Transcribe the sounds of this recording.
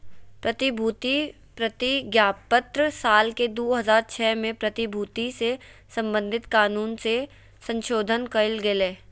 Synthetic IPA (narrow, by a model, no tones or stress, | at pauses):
pɾɐt̪ɪbʱuːt̪i | pɾɐt̪iɡjaːpət̪ɾsaːlked̪oːɦɐzaːɾt͡ʃʰɛːmẽpɾɐt̪ɪbʱuːt̪ise | sɐ̃mbə̃nd̪ʱɪt̪kaːnuːnse | sə̃nʃoːd̪ʱənkɐɪlɡɪleː